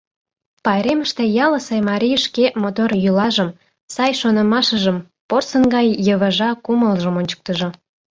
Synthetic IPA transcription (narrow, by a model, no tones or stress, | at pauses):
pɑjɾeməʃt̪ejɑləsemɑɾʲijʃkemot̪oɾjylɑʒəm | sɑjʃonə̆mɑʃəʒəm | porsənɡɑjːəβəʒɑkuməlʒəmonʲt͡ɕə̥k̚t̪əʒŏ